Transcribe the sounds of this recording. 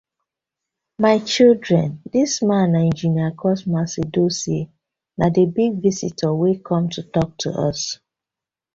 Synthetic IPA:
maɪt͡ʃildɹɛ̃ndismãnɛ̃nd͡ʒiniakʰɔsmasedose | nadebiɡvisḭtʰəwekʰɔ̃mtʰutɔk̚tʰṵʔʌ̰s

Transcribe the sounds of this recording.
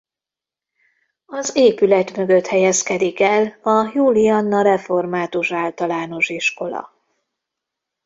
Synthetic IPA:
ɒzeːpylɛt̪mø̞ɡø̞t̪hɛjɛskɛd̪ikɛlɒjuːlijɒnːɒɾɛfo̞rmaːt̪uʃaːlt̪ɒlaːno̞ʃiʃko̞lɒ̰

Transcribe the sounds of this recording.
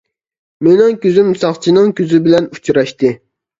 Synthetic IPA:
menɪŋkʲøzymsɑχt͡ʃʰinɨŋkʲʰøzɪbɪlɛnut͡ʃʰɾɑʃt̪ɨ

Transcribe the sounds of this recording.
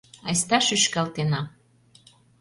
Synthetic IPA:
ɑjst̪ɑʃyʃkɑlt̪enɑ

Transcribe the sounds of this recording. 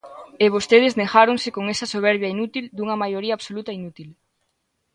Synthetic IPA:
eβ̞ost̪eð̞eznexaɾoŋsekoŋesɐsoβ̞eɾβjainut̪ild̪uŋɐmajoɾiɐːβsolut̪ɐinut̪il

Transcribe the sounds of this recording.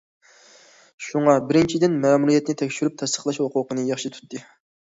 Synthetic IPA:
ʃuŋɑbɪɾɪnt͡ʃʰid̪ɪnmæːmuɾijɛt̪nɪt̪ʰɛkʲʃyɾyp̚t̪ʰɛst̪ə̥χlˠɑʃhoqʊqənɨjɑχʃɨt̪ʰu̥t̪ːɨ

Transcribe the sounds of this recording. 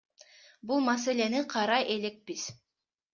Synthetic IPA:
bulˠmɑse̞le̞niqʰɑɾɑjʔe̞le̞k̚piz̥

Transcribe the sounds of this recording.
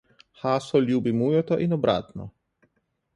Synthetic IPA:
xaːsɔljuːbimuːjɔt̪ɔʔinɔbɾa̰ːt̪nɔ̰

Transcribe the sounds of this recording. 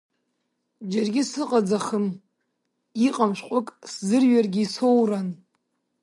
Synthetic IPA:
d͡ʒarɡʲɪsɨqʼad͡zaχəm | iqʼamʃʷqʷʼʊkʼszɨrɥarɡʲiisowran

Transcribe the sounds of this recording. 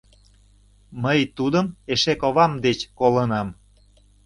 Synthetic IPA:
məjt̪ud̪əmeʃekoβɑmd̪et͡ɕkolənɑm

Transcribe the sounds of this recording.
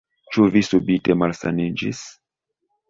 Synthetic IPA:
t͡ʃuvisubitemalsa̰nid͡ʒḭs

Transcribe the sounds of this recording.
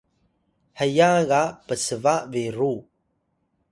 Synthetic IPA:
həjaɣapəsəvaʔveɾu

